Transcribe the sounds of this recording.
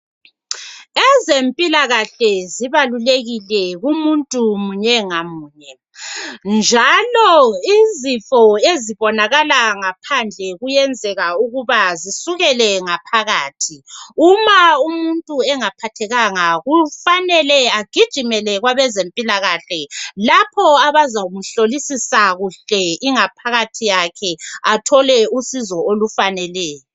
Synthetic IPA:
ɛzempʼilaɣaɬɛziβaluleɣilɛɣumuntʼumuɲɛŋamuːɲɛ | nd͡ʒʱalɔizifɔeziβɔnaɣalaŋapʰand͡ɮʱɛɣujɛnd͡zʱɛɣauɣuβazisuɣɛlɛŋapʰaɣaːtʰiumaumuntʼuɛŋapʰatʰɛɣaŋaɣufanɛlɛaɡ̥ʱid̥ʒ̥ʱimɛlɛɣwaβɛzempʼilaɣaɬɛlapʰɔaβazam̩ɬolisisaɣuɬɛiŋapʰaɣatʰijakʰɛatʰɔlɛusizɔolufanɛlɛːjɔ

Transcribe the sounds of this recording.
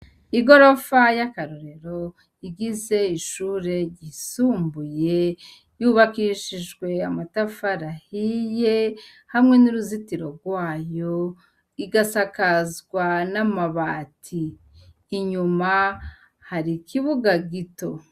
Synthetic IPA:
iɡo̞ɾo̞fajakaɾoɾe̞ɾo̞ | iɡize̞iʃuːɾe̞ɟisuːmbuje̞ | juːβakiʃiʒɡwe̞amatafaɾahije̞ | hamŋe̞nuɾuzitiɾo̞ɾɡwaːjo̞ | iɡasakazɡwanamaβaːtʰiː | ɲuma | haɾikiβuɡaɡito̞

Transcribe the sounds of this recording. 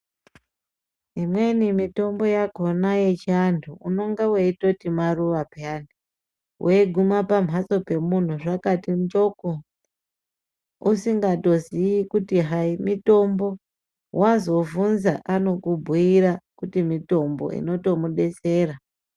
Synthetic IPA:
imwe̞nimito̞mbo̞jako̞naje̞t͡ʃiandʰuuno̞ŋɡaweito̞timaruʋapeandu | wʔeeɡʱumapam̤aso̞pe̞mun̤uʐakatimt͡ʃo̞ko | usiŋɡato̞ziikutiɦaimito̞mbo̞ | wʔazo̞vunzaʔano̞kubʱuiɾakutimito̞mbo̞̰ḭno̞to̞muɗe̞se̞ːra

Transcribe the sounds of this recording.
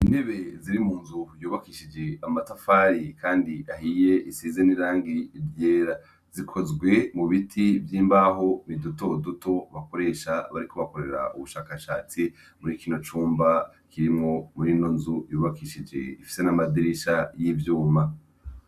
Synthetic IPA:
ine̞βe̞ziɾimuːnzujuːβakiʃid͡ʒe̞amatafaɾikaːndiʔahije̞ʔisiːzeniɾaːŋɡivjeːɾa | z̥ikʰo̞zɡwe̞muβitʰivjiːmbaɦo̞miduto̞duto̞βako̞ɾe̞ːʃaβaɾiko̞βako̞ɾe̞ɾa̰ʔuβuʃaːkaʃaːt͡si | muɾiːkino̞t͡ʃuːmba | kiɾimŋo̞muɾinonzujuːβakiʃid͡ʒe̞̰ifi̥se̞namadiɾiʃajivjuːma

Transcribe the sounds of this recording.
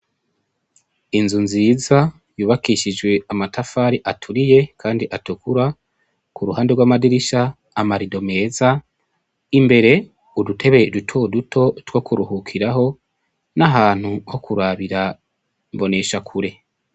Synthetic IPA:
inzunziːza | juːβakiʃid͡ʒɡwe̞amatʰafaːɾiʔatʰuɾije̞kʰaːndiʔatukuɾa | kuɾuhaːndeɾɡwaːmadiɾiʃaː | maɾido̞me̞ːza | imbe̞ɾe̞ | udutʰe̞βedutʰo̞ːdutʰo̞two̞kuɾuhukʰiɾaɦo̞ | naɦaːn̥huhokʰuɾaβiɾa | mbo̞ne̞ʃakʰuɾe̞

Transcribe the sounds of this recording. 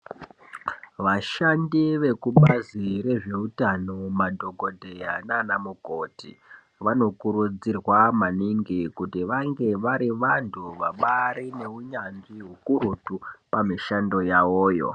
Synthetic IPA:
ʋaʃandiʋe̞kuɓazire̞ʐe̞utanomadʱo̞ɡʱo̞dʱe̞jananamuko̞tḭ | ʋano̞kuɾud͡zirwamaniŋɡikutiʋaŋɡe̞ʋaɾiʋantʰuʋaɓaɾine̞uɲanʐiɦukurutupamiʃando̞jawoːjo̞̰

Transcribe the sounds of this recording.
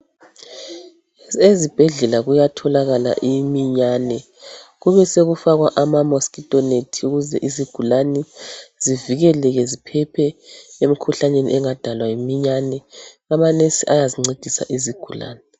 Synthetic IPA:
ezib̥ʱɛɮɛlaɣujatʰɔlaɣala̰ʔimiɲanɛ | ɣuβɛseɣufaɣwaʔamamoskʼitʼɔnetʰiuɣuzɛ̰ʔiziɡ̥ʱulanɛz̥iviɣɛlɛɣɛzipʰɛpʰɛem̩ikʰuɬaɲenḭʔɛŋad̥ʱalwajimiɲanɛɣamanesiʔajaziŋ͡ǀed̥ʱisa̰ʔiziɡ̥ʱula̰ːnɛ

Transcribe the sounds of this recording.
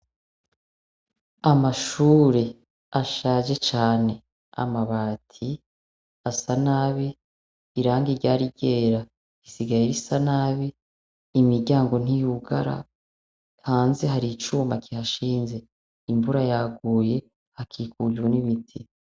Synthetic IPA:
amaʃuːɾe̞ | aʃaːʒe̞t͡ʃaːne̞ | a̰maβaːtʰi | asanaβiː | ɾaːŋɡiɾɟaːɾiɟe̞ːɾa | isiɡajiɾisanaːβiː | miɾɟaːŋɡo̞n̥ijuɡa̰ɾa̰ | haːnze̞ɦaɾit͡ʃuːmakihaʃiːnze̞ | imvuɾajaɡuːje̞ | hakʰiːkuɟwuniβitʰi

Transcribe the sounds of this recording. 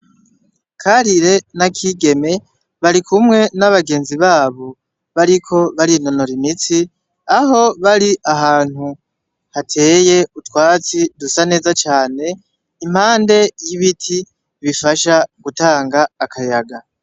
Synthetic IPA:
kʰaɾiɾe̞nakʰiɡe̞me̞ | βaɾikʰumŋe̞naβaɡe̞ːnziβaːβo̞ | βaɾikʰo̞βaɾin̥o̞no̞ɾimit͡si | aɦo̞βaɾiʔaɦaːn̥hu | hatʰe̞ːje̞utwaːt͡sidusane̞ːzat͡ʃaːne̞ | im̥haːnde̞jiβitʰi | βifaʃaɡ̥utaːŋɡaːkʰajaɡa

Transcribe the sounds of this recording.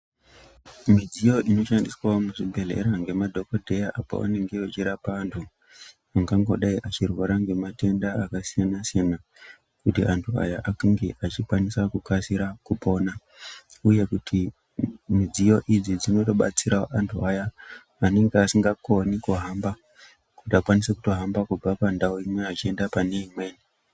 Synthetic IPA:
mid͡zijo̞ʔino̞ʃandiswaomuʐibʱe̞le̞̰ɾaŋɡe̞madʱo̞kodʱe̞jaʔapo̰a̰ne̞ŋɡe̞ot͡ʃiɾapaantʰu | aŋɡaŋɡo̞̰ɗaiʔat͡ʃirwaɾaŋɡe̞mate̞ndaːkasijanasijana | kutiʔantʰua̰jaʔakiŋɡeʔat͡ʃikwanisakukasiɾakupo̞ːna | uje̞kutʰi | mid͡zijo̞ʔid͡zid͡zino̞to̞ɓa̰t͡siɾaʔantʰuajaː | ne̞ŋɡeasiŋɡakonikoɦamba | kutiakwanisekuto̞ɦambakub͡vapandaoimweat͡ʃie̞ndapaneimeːni

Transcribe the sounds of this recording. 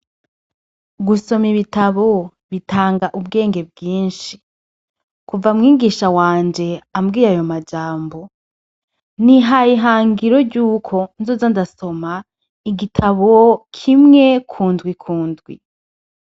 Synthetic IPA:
ɡuso̞miβitaβo̞ | βitʰaːŋɡaʔubɡe̞ːŋɡe̞b̚ɡiːnʃi | kuvamŋiːɡiːʃawaːnd͡ʒe̞amɡiːjajo̞mad͡ʒaːmbo̞ | niɦajiɦaːŋɡiɾo̞ɾɟuːkʰo̞nzozandaso̞ma | iɡitʰaβokʰimŋe̞kʰuːnzɡwikʰuːndɡwḭ

